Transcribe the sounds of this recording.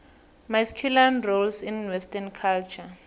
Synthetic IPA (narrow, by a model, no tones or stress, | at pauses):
maskʰjulanrolsinwɛstankʰalt͡ʃʰa